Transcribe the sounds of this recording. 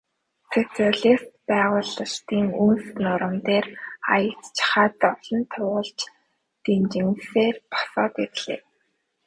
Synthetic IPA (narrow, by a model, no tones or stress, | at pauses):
set͡siaɮist̪pæːʁʊːɮə̆rt̪iːŋunsnʊɾə̆mt̪eːra̰jə̆t͡st͡ɕχaːt̪ɔwɮɞ̆nt̪ʰʊːʁə̆ɮt͡ɕ | t̪emt͡ɕɪ̆ŋseːrpɔ̥sɔːt̪erɮḛː